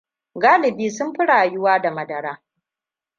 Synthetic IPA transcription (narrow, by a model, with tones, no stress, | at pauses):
ɡaː˦lɪ˨biː˦sʊ˦mɸɪ˦ɽaː˨jʊ˦waː˦da˨mɐ˨dɐ˨ɾaː˦